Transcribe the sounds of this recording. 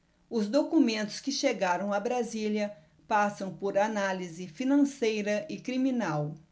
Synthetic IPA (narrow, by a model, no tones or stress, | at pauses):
ʊzd̪okumẽnt̪ʊ̥skɪʃeɡaɾɐ̃w̃ɐbɾaziljɐ | pasɐ̃w̃poɾanalizɪfinɐ̃sejɾɐʔɪkɾimĩnaw